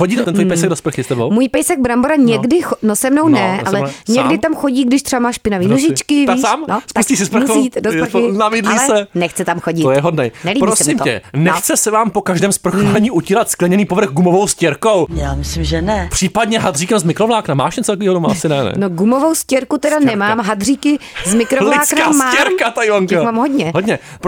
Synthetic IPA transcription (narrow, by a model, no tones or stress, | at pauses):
xoɟiːt̪ɛt̪ɛnt̪vojpɛjjs̬ɛɡdospr̩xɪst̪ɛbo̰wmuːjpɛjsɛɡ̚bɾamboɾaɲɛɡdɪxonosɛmno̞wnɛʔalɛɲɛɡdɪt̪amxoɟiːɡdɪʃt̪ɾ̥ɛvamaːʃpɪnaviːnoʒɪt͡ʃkɪvt̪aisaːmnosp̪usciːsɪspɾ̩oit̪dosɾnabiːdlisɛsɛnɛxt͡sɛt̪amxoɟɪt̪ojɛɦodnɛjnɛlibpɾbosɛɪmɛ̰nɛxt͡sɛsɛvaːmpokaʒdɛːmspr̩xuɛɲiːʔucilat̪sklɛɲɛniːpovɾr̩ɣɡumovowscɛɾkowjaːmɪslimʒɛnɛpr̥iːpadɲɛɦad̪riːkɛmzmɪkɾovlaːknama̰ːʃɛnt͡sɛlk̬viːɦodomaasɪnɛnɛ̰noɡumovowscɛɾkut̪ɛdanɛmaːmɦad̪riːkɪzmɪkɾovlaːknamaːɛɾkat̪ajvaŋkmaːmɦodɲɛɦod̪ɲɛ | p